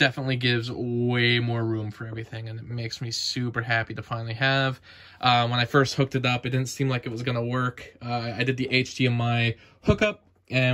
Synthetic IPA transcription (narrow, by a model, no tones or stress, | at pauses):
d̥ɛfənətˡliɡɪvzweɪmɔɹɹʉ̃mɱfə˞ɛvɹiθɪ̃ŋɨ̃nɨt̚meɪksmisʉpə˞ɦæpiɾɨfãɪ̃nl̩ˠiɨv̥ | ʔʌwə̃ñaɪfɜ˞st̚hʊk̚tɨɾʌpɨt̚d̥ɪdⁿn̩tsĩmlaɪkɨt̚wʌzɡʌnəwɜ˞kʌaɪdɨd̪̚ðiʔeɪt͡ʃdʰiɨ̃nmaɪ | hʊkʌp̚ | ʔɨ̃